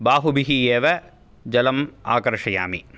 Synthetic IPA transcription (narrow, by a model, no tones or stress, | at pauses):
baːɦubiɦieːʋɐ | d͡ʒɐlɐma̰ːkɐɾʂɐja̰ːmḭ